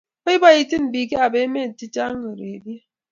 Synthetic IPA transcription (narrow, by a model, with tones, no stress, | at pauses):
o˦i˦ba˦˨ji˦˨ti˦nm̩˨bi˨ke˦a˨be˨˦me˦˨n̩˨ti˦ta˦ŋə˨ɾe˨bje˦